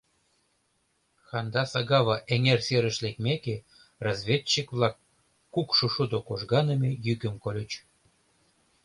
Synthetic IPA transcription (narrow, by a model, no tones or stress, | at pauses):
xɑnd̪ɑsɑɣɑβɑʔeŋerseɾəʃlekmeke | rɑzβʲet͡ɕːikβlɑkː | ukʃuʃud̪okoʒɣɑnə̆mʲejyɣə̆mkolʲə̆t͡ɕ